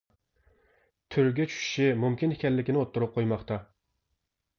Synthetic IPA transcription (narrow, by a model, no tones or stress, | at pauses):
t̪ʰyɾɡʲɛt͡ʃʰy̥ʃʃimumkʲinhɪkʲɛlːɪkʲinɪot̪ːʊɾʊp̚qʰojmɑχt̪ɑ